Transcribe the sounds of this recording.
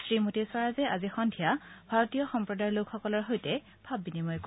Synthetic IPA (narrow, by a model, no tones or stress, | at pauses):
sɹimotiswaɹazɛʔazixɔndʱijabʱaɹotijɔxɔmpɹɔdajɹlokʰxɔkɔlɔɹɦojtɛ | b̥ʱabːinimɔjk